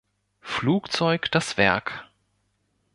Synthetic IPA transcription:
fluːkt͡sɔʏkd̥asv̥ɛ̰ɐk

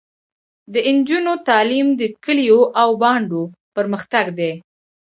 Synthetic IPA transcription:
d̪əɪnd͡ʒunot̪ɑlimd̪əkəlijoʔawbɑɳɖopəɾməxt̪aɡd̪e

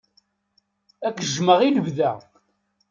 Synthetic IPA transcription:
ækːʒməʁiləvðæ

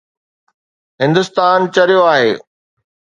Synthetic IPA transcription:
ɦɪ̃nd̪ʊst̪aːnt͡ɕɐɾijoaːɦeː

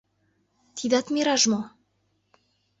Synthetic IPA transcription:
t̪ʰid̪ɑt̪mʲeɾɑʒmo

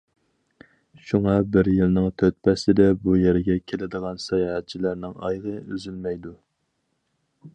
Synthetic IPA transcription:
ʃuŋɑbɪɾjɨlnɪŋt̪ʰøt̪̚pʰɛsɪd̪ɛbujeɾɪɡʲɛkʲʰelɪd̪əʁɑnsɑjɑɦɛt̪̚t͡ʃʰilæɾnɪŋɑ̰jʁəyzylmɛjd̪u

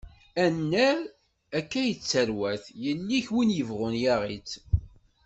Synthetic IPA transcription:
ænːæɾ | ækːæjət͡sːəɾwæθjənːiçwinjəvʁʊnjaʁit͡s

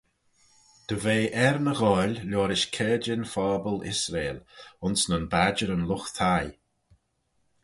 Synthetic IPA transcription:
d̪̥əveːʔɛɾnəɣɔlʲlɔːɾɪʃkʰɛːd͡ʒɪnfɔːbəlɪ̰sɾeːlʊnsnənbad͡ʒəɾənlʊxt̪ʰaj

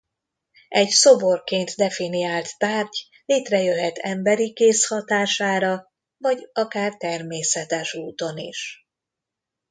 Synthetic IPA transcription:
ɛɟso̞bo̞rkeːnt̪d̪ɛfinijaːlt̪ːaːrɟ | leːt̪rɛjøɦɛt̪ʰɛmbɛɾikeːshɒt̪aːʃaːɾɒ | vɒɟɒkaːrt̪ɛrmeːsɛt̪ɛʃuːt̪o̞nḭʃ

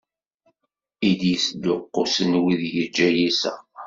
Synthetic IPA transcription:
id̪jəsd̪ʊqːosənwiðjəd͡ʒːæjisæ

